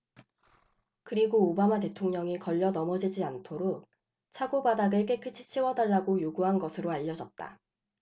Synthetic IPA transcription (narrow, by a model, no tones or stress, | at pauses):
kɯɾiɡoːbamate̞tʰoŋɲʌŋikʌʎːʌnʌmʌd͡ʑid͡ʑiantʰoɾok̚ | t͡ɕʰaɡobadaɡɯɭk͈ekʰɯt͡ɕʰi̥t͡ɕʰiwʌdaɭːaɡojoɡuɦanɡʌsʰɯɾoaʎːʌd͡ʑʌt̚t͈a̰